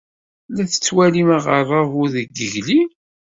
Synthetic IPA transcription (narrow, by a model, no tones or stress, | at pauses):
læθə̥t͡sːwæliməʁərˤːɑvʊðəɡəʝli